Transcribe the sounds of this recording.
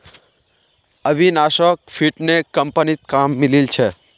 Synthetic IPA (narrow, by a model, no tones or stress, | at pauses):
əʋinaʃək̚fiʈnekəmpənit̪̚kamːililt͡ʃʰe